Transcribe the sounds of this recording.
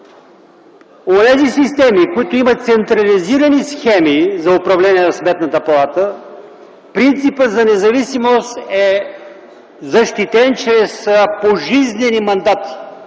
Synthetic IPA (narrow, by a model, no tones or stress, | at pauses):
onɛzisist̪ɛmikoit̪oimət̪sɛnt̪ɾɐliziɾənisxɛmizɐʊpɾɐvlɛnʲiɛnɐsmɛt̪nət̪əpɐlˠat̪ə | pɾint̪sipət̪zɐnɛzɐvisimost̪ɛ | zɐʃt̪it̪ɛnt͡ʃɾɛspoʒiznɛnimɐnd̪at̪i̥